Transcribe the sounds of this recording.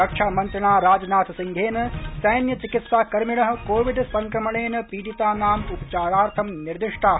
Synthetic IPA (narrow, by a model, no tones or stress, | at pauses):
ɐkʂʰaːmɐnt̪ɾɐnaːɾaːd͡ʒɐnaːt̪ʰɐsiŋɡʱeːnɐsɐjnjɐt͡ʃikit̪saːkɐɾmiɳɐɦɐ̆koːʋiɖspɐŋkɾɐmɐɭeːnɐpiːʈit̪aːnaːmupɐt͡ʃaːɾaːɾt̪ʰɐmniɾd̪iʂʈʰaː